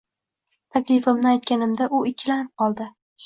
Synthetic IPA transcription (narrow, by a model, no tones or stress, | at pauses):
t̪ʰakʲlɪfɪmnɪajt̪̚kʲanɪmd̪aʔʊɪkʲʰːɪlanɪp̚qʰɒlˠd̪ɪ